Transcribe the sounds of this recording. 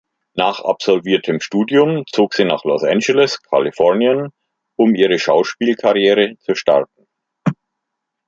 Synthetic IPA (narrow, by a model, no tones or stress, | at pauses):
naːχa̰psɔlviːɐtʰəmʃtuːdjʊmt͡soːkz̥iːna̰ːχlɔsʔɛnd͡ʒɛlɛskʰa̰lifɔɐnjən | ʔʊmʔiːʁ̞əʃaʊʃpiːlkʰaʁjeːʁ̞ət͡suʃta̰ʁtn̩